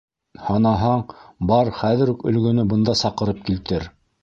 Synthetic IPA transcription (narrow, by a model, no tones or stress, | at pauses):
hɑnɑɦɑɴbɑɾχæðɘ̆ɾukɵ̆lɡɵ̆nɵbɤ̆nd̪ɑsɑqɤ̆ɾɤp̚kilt̪ɘɾ